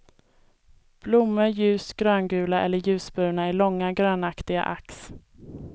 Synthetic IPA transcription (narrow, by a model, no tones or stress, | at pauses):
b̥lʊmːəjʉ̟ːsɡɾœːnɡʉ̟ːlaʔɛ̰lːəɾjʉ̟ːsbʉːɳaæɭɔŋːaɡɾøːnakt̪ɪɡa̰ʔa̰ks